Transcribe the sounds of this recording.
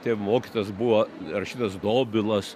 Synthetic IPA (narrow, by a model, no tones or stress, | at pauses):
t̪ʲemoːkʲit̪ojsbuʋorɐʃʲiːt̪ɐsd̪oːbʲɪlˠɐs